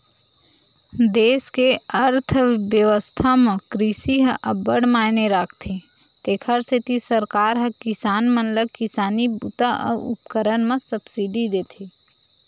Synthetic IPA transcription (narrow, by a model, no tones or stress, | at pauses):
d̪eːskeɐɾt̪ʰʋjəʋəst̪ʰamẽkɾiʃiɦə̃ʔəbəɽmaːneɾaːkʰt̪ʰe | t̪eːkʰəɾset̪isəɾkaːɾɦə̃kɪsaːnmə̃nləkɪsaːnibṵːt̪aʔɔ̰ʊ̰pkəɾənmə̃səbsiɖid̪eːt̪ʰiː